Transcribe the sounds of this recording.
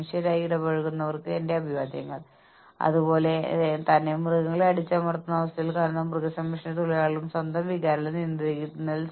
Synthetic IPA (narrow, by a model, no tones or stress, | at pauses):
iʂjɐɾaːjiiɽɐbɐɻuɣunːɐʋɐrkɨende̞ɐbʱiʋaːd̪jɐ̰ŋːɐɭ | ɐ̰ðubo̞ːle̞t̪ɐnːemruɣɐŋːɐɭɐɽit͡ɕːaːmɐɽɐt̪ːunːɐʋɐst̪ɐjilkaːnɐnɐmprɨɣɐsɐmːiʂɐnet̪oɭijaːɭɭumswɐnd̪ʱɐmʋiɣaːɾlɐnind̪iɾikʲːit̪ːunːɐðil